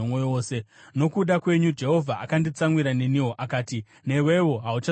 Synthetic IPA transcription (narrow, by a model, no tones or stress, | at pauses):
omooːse̞no̞kuɗakwe̞ɲud͡ʒe̞ɦo̞vʱaʔakandit͡saŋwiɾane̞niwo̞ʔakaːti | ne̞we̞wo̞ɦaut͡ʃa